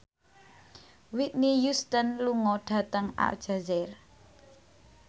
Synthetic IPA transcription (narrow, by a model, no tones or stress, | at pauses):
wit̪̚nijust̪ənluŋɔɖ̥ä̤t̪əŋa̰ld̥ʒ̥a̤zɛr